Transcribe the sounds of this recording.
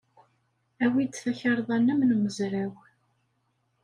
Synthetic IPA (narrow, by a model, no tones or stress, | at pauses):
æwid̪θæçəɾˤðˤænːəmnməzɾæw